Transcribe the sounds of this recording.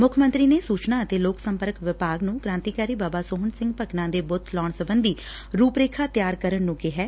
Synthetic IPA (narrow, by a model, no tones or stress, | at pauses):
mʊkʰmə̃nt̪ɾiːneːsuːt͡ʃnaːət̪eːloːksəmpəɾkʋɪpaːɡnũːkɾãːnt̪iːkaːɾiːbaːbaːsoːɦənsɪ̃ŋɡpəknãːd̪eːbʊt̪ʰlɔːɳsəbənd̪iː | ɾuːpɾeːkʰaːt̪jaːɾkəɾəɳnũːɡeːɦɛː